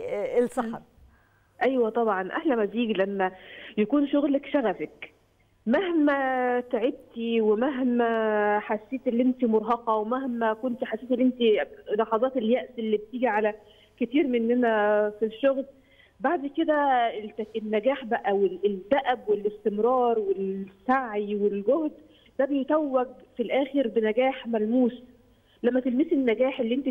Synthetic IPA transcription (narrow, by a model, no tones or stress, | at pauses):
elsɑħɑ | ʔæjwæt̪ˤɑbʕɑnʔæhlæmæziːɡlæmːæjækuːnʃoɣlækʃæɣæfæk | mæhmæt̪eʕeb̚t̪iwemæɦmæħasːeːt̪ʔelːiʔent̪imoɾˤɦɑqɑwemæhmækont̪ħasːeːt̪elːiʔent̪ilɑħɑzˤɑːt̪eljæʔsʔelːib̚t̪iːɡiʕalæ | ket̪iːɾmenːænæfiʃːoɣl | baʕd̪ked̪æt̪æenːæɡæːħbæʔæwed̪æʔæbwelest̪emɾˤɑːɾˤwelsaʕjiwelɡohd̪ | d̪æbejet̪æwːæɡ̚filʔæːxeɾbenæɡæːħmælmuːs | læmːæt̪elmisenːæɡæːħelːiʔent̪i